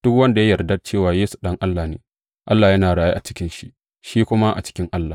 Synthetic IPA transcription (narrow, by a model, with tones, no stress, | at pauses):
d̥ʊ˦kwɐ˦nda˨ja˦jɐ˨rdɐ˦t͡ʃeː˦˨waː˨jeː˦su̥˨ɗɐ˦ŋʔa˦lːaː˨nḛː˨ | ʔa˦lːaː˨jɐ˦naː˨ɽaː˨ja̰˦ʔa˨t͡ʃɪ̥˦kʲɪ˦nʃi˦ʔ | ʃiː˦kʷʊ˦ma˦ʔa̰˨t͡ʃɪ̥˦kʲɪ˦ŋʔa˦lːaː˨